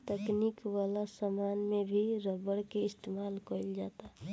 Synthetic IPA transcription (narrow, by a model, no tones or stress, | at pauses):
t̪əknikwalasamaːnmebʱiɾəbəɽkeɪst̪eːmaːlkoild͡ʒaːt̪a